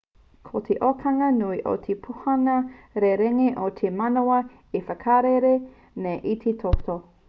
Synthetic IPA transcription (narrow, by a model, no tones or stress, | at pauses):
kʰotʰeʔokʰɐŋɐnuiʔo̰t̪ʰepʰuhɐnɐɾeɾeŋeʔot̪ʰemɐnowɐ | efɐkʰaɾeɾe | nejʔit̪ʰetʰoto